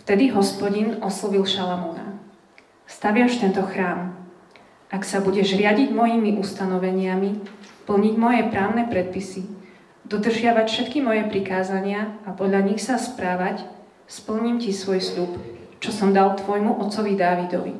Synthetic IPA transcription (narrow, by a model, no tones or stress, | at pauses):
ft̪ɛd̪iɦɔspɔɟinɔslɔʋilʃalamɔna̰ | st̪aʋɪamʃt̪ɛnt̪ɔxɾaːm | ʔaksabuɟɛʒɾɪaɟiɟmɔjimiʔust̪anɔʋɛɲɪamipl̩ɲiɟmɔjɛpɾaːʊnɛpɾɛt̪̚pisi | d̪ɔd̪r̩ʒɪaʋacfʃɛt̪kimɔjɛpɾikaːzaɲɪaapɔd̪ʎaɲixsaspɾaːʋac | spl̩ɲimcisʋɔjsʎupt͡ʃɔsɔmd̪alt̪ʋɔjmuʔɔt̪sɔʋid̪aːʋid̪ɔ̰ʋḭ